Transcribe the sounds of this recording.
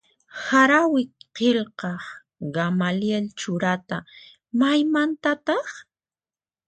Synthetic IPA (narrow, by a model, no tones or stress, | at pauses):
haɾawɪqelqɑχ | ɢamaljelt͡ʃʊɾat̪a | majmant̪at̪ɑχ